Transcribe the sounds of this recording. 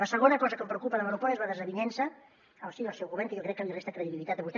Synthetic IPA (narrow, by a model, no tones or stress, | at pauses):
ləsəɣonəkɔzəkəmpɾəukupəðəmənupɔiezβaðəzəβiɲɛnsə | əlˠsiəlˠsɛwɣuβɛɾŋkəjokɾɛkːəlirest̪əkɾəðiβilit̪at̪əβust̪